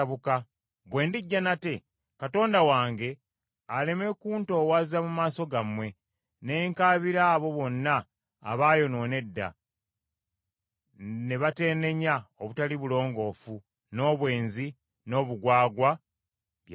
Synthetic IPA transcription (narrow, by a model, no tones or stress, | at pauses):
βuka | βwe̞ːndiɟːanate̞ | kato̞ːndawaːŋɡe̞ | ale̞me̞kuːnto̞ːwazamumaːso̞ɡamwe̞ | ne̞ːŋkaːβiɾaːβo̞βo̞nːa̰ː | βaːjo̞no̞ːne̞dːa̰ | ne̞βate̞ːne̞ɲaoβutaliβulo̞ːŋɡo̞ːfu | no̞ːβwe̞ːnzi | no̞ːβuɡwaːɡwa | βj